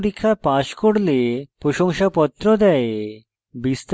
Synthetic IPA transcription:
ɾikʰːapaʃkoɽlepɾoʃɔŋʃapɔt̪ːɾɔd̪ɛe | bist̪

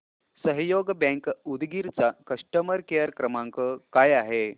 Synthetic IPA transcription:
səɦjoɡbɛ̃ŋkud̪ɡiɾt͡sakəʂʈəməɾkejəɾkɾəmãŋkəkajaɦe

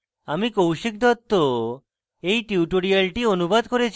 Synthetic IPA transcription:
amikowʃik̚d̪ʱɔt̪ːo | ejʈiuʈoɽialʈionubad̪ʱkoɾet͡ɕʰ

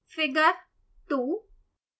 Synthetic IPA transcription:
fɪɡəɾ | t̪uː

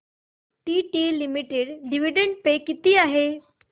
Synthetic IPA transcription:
ʈiːʈiːlimiʈeɽɖiʋiɖeɳʈ̚pekit̪iːaɦe

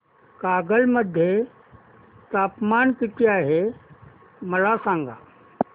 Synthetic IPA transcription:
kaːɡəlmɐd̪ʱje | t̪aːpmaːnkɪt̪ijaːɦe | mɐlaːsãːŋɡa̰ː

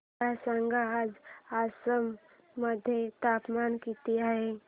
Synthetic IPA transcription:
asəŋɡaaːd͡ʒaːsəmː | əd̪ʱjet̪aːpmaːnkit̪iaɦe

